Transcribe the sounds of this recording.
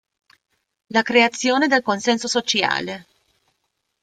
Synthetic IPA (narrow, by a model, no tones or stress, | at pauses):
lakɾeat̪sːjoːned̪elkonsɛnsosot͡ʃja̰ːle